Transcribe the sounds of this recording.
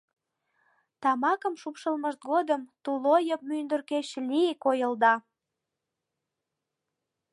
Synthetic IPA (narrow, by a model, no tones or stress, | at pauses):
t̪ɑmɑkəmʃupʃəlməʃt̪̚ɡod̪əmt̪ulojəp̚mynd̪ərkeɕliekojəld̪ɑ